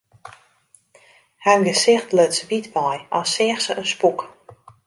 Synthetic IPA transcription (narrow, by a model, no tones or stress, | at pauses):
hɛmɡəsɪxtlətsʋitʋɔjʔɔsɪəxsəənspuk